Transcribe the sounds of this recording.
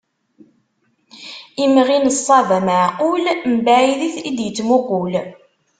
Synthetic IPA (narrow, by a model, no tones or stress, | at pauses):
imʁinəsˤːɑðaməʕqʊlmbæiðiθid̪jət͡sːmuɡʷul